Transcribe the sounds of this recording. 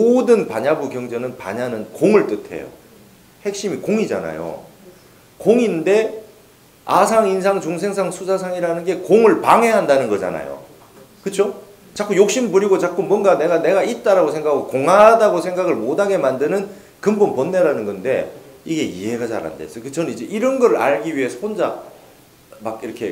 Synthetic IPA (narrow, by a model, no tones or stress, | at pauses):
modɯnpaɲabukjʌŋd͡ʑʌnɯnpa̰ɲanɯnkoŋɯɭt͈ɯtʰe̞̰jo̰ | he̞k̚ɕ͈imikoŋid͡ʑa̰na̰jo̰ | koŋinde̞ | a̰sʰaŋins̬ʰaŋt͡ɕoŋs̬ʰe̞ŋs̬ʰaŋsʰusʰasʰaŋiɾanɯnɡe̞koŋɯɭpaŋɦe̞ɦandanɯnɡʌd͡ʑa̰na̰jo̰ | kɯt͡ɕʰo | t͡ɕak͈ujok̚ɕ͈imɯɭpuɾiɡot͡ɕak͈ʰumuʌnɡane̞ɡane̞ɡait̚t͈aɾaɡosʰe̞ŋɡakʰaɡokoŋadaɡosʰe̞ŋɡaɡɯɭmodaɡe̞mandɯnɯn | kɯmbunponːeɾanɯnɡʌnde̞iɡe̞ḭɦe̞ɡad͡ʑa̰ɾa̰ndḛs͈ʰʌkɯt͡ɕʌnnid͡ʑe̞ʔiɾʌnɡʌɾɯɭa̰ɭɡiɥiɦe̞sʰʌɸond͡ʑa̰ | makiɾʌkʰe̞̰